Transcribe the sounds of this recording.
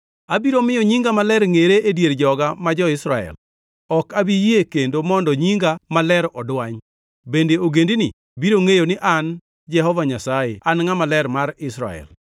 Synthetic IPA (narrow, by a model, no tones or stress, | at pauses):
abiɾomɪjɔɲiŋɡamalɛɾŋeɾeʔedjeɾd͡ʒɔɡamad͡ʒɔɪsɾaɛ̰l | ɔkabijekendomɔndɔɲiŋɡamalɛɾɔdwaɲ | bendeoɡendinɪ | biɾoŋejonɪʔan | d͡ʒɛhɔvaɲasajeʔanŋamalɛɾmarɪsɾa̰ɛ̰l